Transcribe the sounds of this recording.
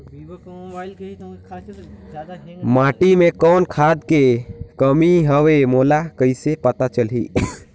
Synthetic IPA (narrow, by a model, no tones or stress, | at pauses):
mãːʈimẽkɔːnkʰaːd̪kekəmiɦəʋemoːlakəisepət̪at͡ʃəlɦḭ